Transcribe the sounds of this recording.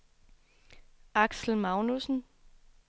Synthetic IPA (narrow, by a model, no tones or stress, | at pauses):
ɑ̈ɡ̥sl̩mɑ̈ʊnusn̩